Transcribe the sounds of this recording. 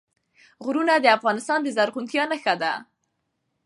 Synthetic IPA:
ɣɾunad̪əafɣɑnɪst̪ɑnd̪əzaɾɣunt̪jɑnaxad̪a

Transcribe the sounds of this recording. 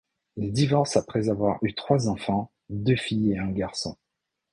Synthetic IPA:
ild̪ivɑʁsapχɛzavwaʁyt̪χwazɑ̃fɑ̃ | d̪øfijeɛ̃ɡaʁsɔ̰̃

